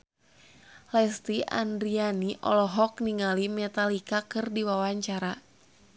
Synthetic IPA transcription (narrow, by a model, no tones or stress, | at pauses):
lɛst̪iʔa̰ndɾianiʔɔ̰lɔɦɔk̚niŋalimɛt̪alikakɨrdiwawaɲt͡ʃaɾa